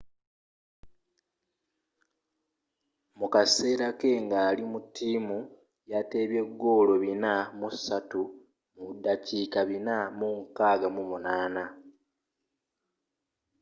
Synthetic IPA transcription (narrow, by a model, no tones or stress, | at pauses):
mukase̞ːɾake̞ŋɡaːlimutʰːiːmu | jate̞ːβje̞ɡːo̞ːlo̞βinamusatu | muβudːaciːkaβinamuŋkaːɡamumunaːna